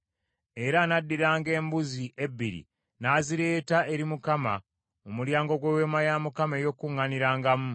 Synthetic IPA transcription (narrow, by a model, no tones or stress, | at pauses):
e̞ɾanadːiɾaːŋɡe̞ːmbuziʔebːiɾḭ | naːziɾe̞ːtaʔe̞ɾimukama̰ | omuljaːŋɡo̞ɡwewe̞ːmajamukamejo̞kːuŋːaniɾaːŋɡamu